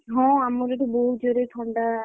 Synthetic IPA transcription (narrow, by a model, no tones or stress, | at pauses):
ɦɔ̃amɔɾeʈubɔɦut̪̚d͡ʒoɾet̪ʰɔɳɖa